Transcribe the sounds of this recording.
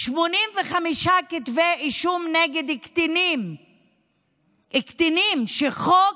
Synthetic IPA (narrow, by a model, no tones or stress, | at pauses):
ʃmonimveχamiʃakit̪veiʃumneɡed̪ktinim | ʔikt̪inimʃeχo